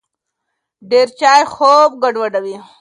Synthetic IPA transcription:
ɖeːɾt͡ɕaːjxoːb̚ɡɐɖwɐɖɐwi

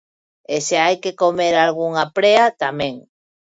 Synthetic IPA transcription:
eseajkekomeɾalɣ̞uŋapɾeat̪amẽŋ

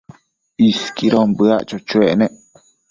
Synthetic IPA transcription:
iskiɾombɨaʔt͡ʃot͡ʃueʔnẽʔ

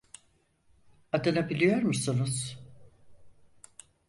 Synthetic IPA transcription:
ad̪ɯnabilʲijo̞ɾmusunuz̥

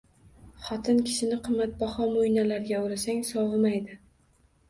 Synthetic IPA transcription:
χɒt̪ʰɪnkʲʰɪ̥ʃɪnɪqʰɨmːat̪̚bɒχɒmojnalaɾɡʲaʊɾasaŋsɒwɨmajd̪ɪ

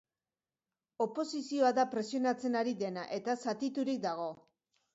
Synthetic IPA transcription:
o̞po̞sisio̞aðapɾe̞sio̞nat͡se̞naɾiðe̞naʔe̞t̪asat̪it̪uɾik̚d̪aɣ̞o̞

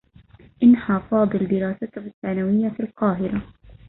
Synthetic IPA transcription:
ʔɪnħaːfɑːd̪ˤɨld̪ɪɾɑːsat̪hɪθːaːnawɪjːafilqɑːɦɪɾa

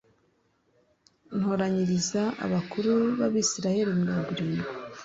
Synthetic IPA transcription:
n̥hoɾaɲiɾizaa̰βakuɾuβaβisiɾahe̞ɾimɲaːɡuɾiːŋɡe

